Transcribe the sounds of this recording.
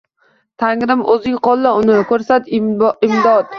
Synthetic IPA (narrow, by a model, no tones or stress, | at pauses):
t̪ʰaŋɾɪmʔɵzɪŋqʰɒlˠːaʊnɪkʰɵɾsat̪ɪmd̪ɒt̪̚